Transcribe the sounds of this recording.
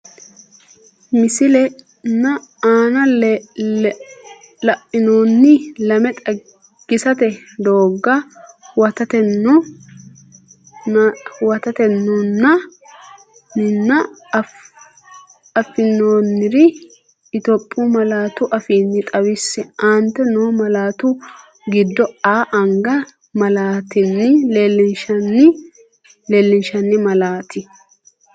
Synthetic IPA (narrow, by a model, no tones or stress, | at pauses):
mɪsɪlɛ | nːɐaːnɐlːɛ | lɐʔʼːɪnoːnːɪlɐmɛt̪ʼɐ | ɡ̥ːɪsɐt̪ɛd̪o̞ːɡːɐwɐt̪ɐt̪ɛnːɔ | wɐt̪ɐt̪ɛnːɔnːɐ | nːɪnːɐ | ɐfːɪnːoːnːɪɾɪ | ɪt̪ɔpʼːumɐlaːt̪ʊʔɐfiːnːɪt̪ʼɐwɪsːɛɐnt̪ːɛnoːmɐlaːt̪ʊ | ɡɪd̪ːɔaːʔɐŋɡɐ | mɐlaːt̪ɪnːɪlelːɪnʃɐnɪ | leːlːɪnʃɐnːɪmɐlaːt̪ɪ